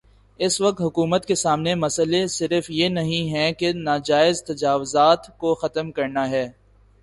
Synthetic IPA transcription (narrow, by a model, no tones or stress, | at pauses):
ɪsʋɐk̚t̪ɦʊkuːmət̪kesaːmnemɐsəlesɪɾəfjenɐɦĩɦɛ̃kenaːd͡ʒaːɪzt̪ɐd͡ʒaːwʊzaːt̪koxɐt̪əmkɐɾnaɦɛː